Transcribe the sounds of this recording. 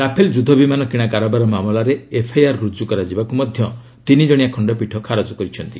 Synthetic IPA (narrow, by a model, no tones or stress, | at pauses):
ɾapʰeld͡ʒud̪ʱɔbimanɔkiɽ̃akaɾɔbaɾɔmamɔlaɾeːpʰajaɾːud͡ʒukɔɾad͡ʒibakumɔd̪ʱjɔ | t̪inid͡ʒɔɽ̃ijakʰɔɳɖɔpiʈʰɔkʰaɾɔd͡ʒɔkɔɾit͡ʃʰɔnt̪i̥